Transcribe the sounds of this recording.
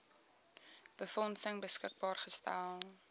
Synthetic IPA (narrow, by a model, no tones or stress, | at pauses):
b̥əfɔnsəŋbəskək̚bɑːrχəstæ̰lˠ